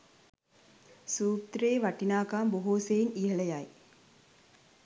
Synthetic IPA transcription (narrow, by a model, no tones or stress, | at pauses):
suːpt̪ɾeːʋaʈinaːkaːmboɦoːseiniɦələjaj